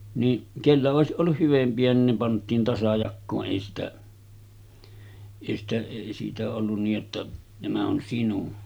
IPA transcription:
ni kelːæ oˑesiʔ ʔolːuh hyʋempiæ nin ne pɑntˑiːn tɑsɑjɑkːoːʔ ʔeˑi sitæ eˑi sitæ eˑi siːtæ olːun niːj jotːɑ næmæ on sinun

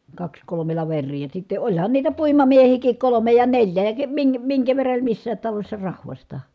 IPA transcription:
kɑks kolome lɑʋerˑiː jɑ sitːe olʲhɑn niːtæ puimɑmiehiːkik kolome jɑ nelʲjæ jɑ ke miŋkæ miŋkæ ʋerːɑ olʲ misːæːt tɑlosʲsɑ rɑhʋɑstɑ

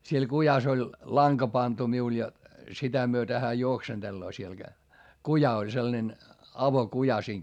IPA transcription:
siel kujɑs olʲ lɑŋkɑ pɑntu miul jɑ sitæ myøtæ hæː juoksend̥elːoː siel ɡ̊æ kujɑ olʲ selːɑ̆nen ɑʋokujɑ siːŋ

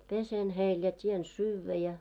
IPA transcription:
pesen heil jɑ tʲien syːʋːæ jɑ

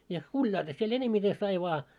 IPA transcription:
jɑ kulʲjɑilːɑ siel enemːite sɑi ʋɑː

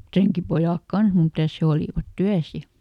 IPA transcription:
treŋkipojɑˑk kɑns mitæˑs he oliˑʋɑt tyæs jɑ

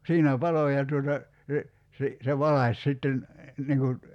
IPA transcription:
siːnæ pɑlo jɑ tuotɑ se si se ʋɑlɑsʲ sitːen niŋ kun̞

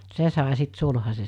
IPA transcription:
se sɑˑe sit sulhɑse

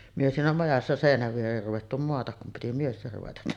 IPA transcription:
myø siːnæ mɑjɑsːɑ seˑinæʋ ʋiereːr ruʋetːu moɑtɑk kum piti miester ruʋetɑ

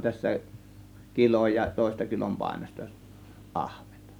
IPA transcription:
tæsːæ kiloj jɑ toˑe̝stɑ kilompɑˑe̝nostɑ ʔɑhʋ̥e̥n̥tɑ̥

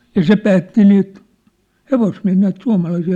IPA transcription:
jɑ̆ se pæːtːi niːt heʋosmiæ̝hiː næit suɑ̝mɑlɑisiː

